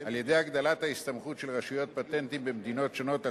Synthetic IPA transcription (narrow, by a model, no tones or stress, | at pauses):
alje̞d̪ejaɡd̪alathaist̪amχutʃelʁaʃujo̞t̪̚pat̪e̞nt̪imbemd̪ino̞tʃono̞t̪a